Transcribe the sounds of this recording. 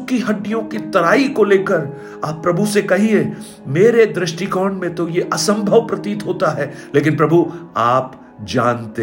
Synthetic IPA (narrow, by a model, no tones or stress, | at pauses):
kiɦɐɖːijõkit̪ɐɾaːikoleːkəɾ | aːpːɾɐbʱusekɐɦie | meːɾed̪ɾɪʃʈikɔːɳmẽt̪ojeʔɐsə̃mbʱəʋpɾɐt̪iːt̪ɦoːt̪aɦɛːleːkɪnpɾɐbʱuaːp | d͡ʒaːnt̪e